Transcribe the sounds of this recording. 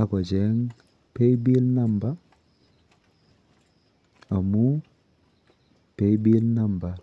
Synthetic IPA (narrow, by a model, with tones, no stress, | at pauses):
a˨kɔ˨d͡ʒɛŋ | pe˦jbi˦lna˦mba˦ | a˨mu˦ | pe˦jbi˦lna˦mba˨